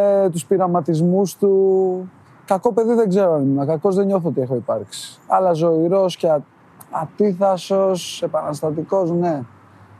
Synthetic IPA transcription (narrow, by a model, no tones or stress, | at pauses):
t̪uspiɾɐmɐt̪izmust̪u | kɐko̞pe̞ðiðe̞ɡze̞ɾoɐniminɐkɐko̞zðe̞ɲo̞θoot̪ie̞xo̞ipɐɾksi̥ɐlɐzo̞iɾo̞sce | ɐt̪iθɐso̞se̞pɐnɐst̪ɐt̪iko̞zne̞